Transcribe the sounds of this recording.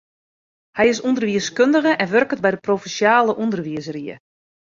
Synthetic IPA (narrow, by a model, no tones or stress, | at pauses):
hɛjɪsundərʋiəskøndəɣəʔɛnʋørkət̚bɛjdəprofɛsjaːləʔundərʋiəzəriə̰